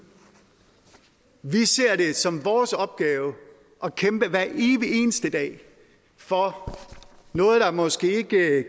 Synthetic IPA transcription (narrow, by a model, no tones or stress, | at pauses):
ʋise̝ɐ̰ɾe̝sɒ̽mʋɒːsɒ̽b̥̚ɡ̥ɛːʊə | ʔɒ̽kʰemb̥əʋæɐʔeːʋie̝̰ːnəsd̥əd̥ɛ̰ː | fɒ̽ | nɔ̽ːð̞̩ˠd̥ɑ̈mɒ̽sɡ̥e̝̰ːe̝ɡ̥ə